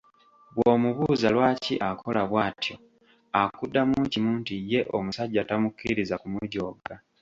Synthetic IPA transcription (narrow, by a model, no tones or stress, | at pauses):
βwoːmuβuzalwaːcḭʔakʰo̞laβwaːtjo̞ | akudːamuːɲcimuːntije̞ʔomusaɟːatamukːiɾizakumuɟo̞ːɡa